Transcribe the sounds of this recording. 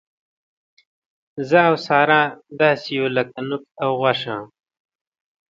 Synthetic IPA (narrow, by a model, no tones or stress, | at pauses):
zaːwsɑːɾãːd̪ɑːsijolakanʊk̚awɣwaʂãː